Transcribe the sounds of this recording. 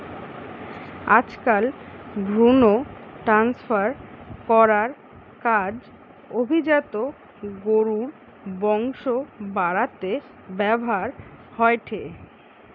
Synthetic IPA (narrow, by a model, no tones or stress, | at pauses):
ad͡ʑkalɡɾunoʈɾansfaɾkɔɾaɾ | kad͡ʑ | obʱid͡ʑat̪o | ɡoɾuɾ | bɔŋʃobaɾat̪e | bɛboɦaɾhɔeʈʰe